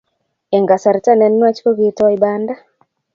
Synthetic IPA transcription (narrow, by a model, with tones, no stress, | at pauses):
ɛ˨ŋɡa˨sa˨ɾta˦nɛ˨nːwa˦t͡ʃko˦ɡitɔ˦waibanda˦